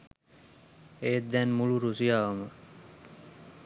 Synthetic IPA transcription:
eːd̪ːænmuɭuɾusijaːʋɐmə

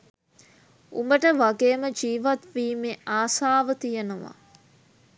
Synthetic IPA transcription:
ṵmbəʈəʋaɡeːməd͡ʒiːʋat̪ʋiːmeaːsaːʋət̪ijenuʋa̰

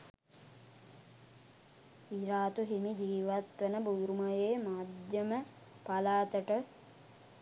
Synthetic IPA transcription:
iɾaːt̪uɦimid͡ʒiːʋat̪ʋənəbuːɾumajeːmaːd̪jəmə | palaːt̪əʈə

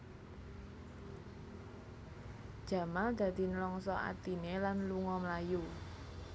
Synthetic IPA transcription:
d̥ʒ̥ä̤mald̪̥ä̤d̪̥i̤nəlɔŋsɔa̰t̪inelanluŋɔmlaju

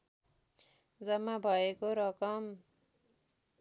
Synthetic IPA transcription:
d͡zʌmːabʱʌekoɾʌkʌm

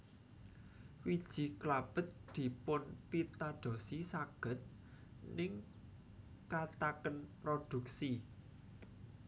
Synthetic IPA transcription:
wid̥ʒ̥i̤klab̥ə̤t̪̚d̪̥i̤pʊnpit̪aɖ̪̥o̤sisaɡ̥ə̤t̪̚ | nɪŋ | kat̪akənpɾod̪̥ṳk̚si

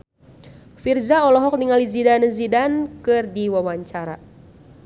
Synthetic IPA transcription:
firzaɔlɔɦɔk̚niŋalizidanəzidankɨrdiwawaɲt͡ʃaɾa̰

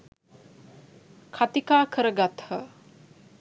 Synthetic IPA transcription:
kʰat̪ikaːkʰəɾəɡat̪hə

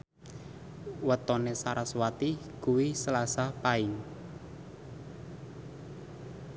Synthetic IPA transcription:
wət̪ɔnesaɾaswat̪ikuwisəlasapaɪŋ

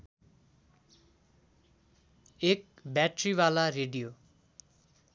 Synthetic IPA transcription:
ek̚ | bjaʈriwalareɖijo

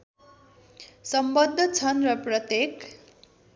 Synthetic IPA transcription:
sʌmbʌd̪ʱːʌt͡sʰʌnrʌprʌt̪jek

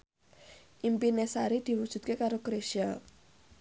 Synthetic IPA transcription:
ʔimpinesaɾid̪̥i̤wud̥ʒ̥ṳt̪̚kekaɾokɾeʃia

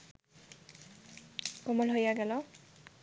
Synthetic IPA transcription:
kɔmɔlɦojaɡɛlɔ

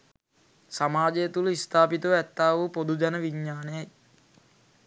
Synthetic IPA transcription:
samaːd͡ʒejːt̪uləist̪ʰaːpit̪uʋɛt̪ːaːʋupod̪ud͡ʒɛnəʋiɲːaːnejaj

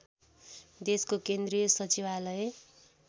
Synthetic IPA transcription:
d̪eskokend̪rijʌsʌt͡siwalʌje

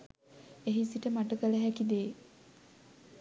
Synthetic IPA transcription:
eɦisiʈəmaʈəkələɦækid̪eː

